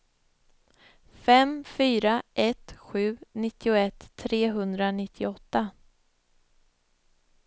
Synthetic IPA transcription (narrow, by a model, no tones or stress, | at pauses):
fɛmfyːɾaʔɛt̪ɧʉ̟ːnɪt̪ːɪʊɛt̪ʰːɾeːɦɵnd̪ɾanɪt̪ʰːɪɔt̪ːa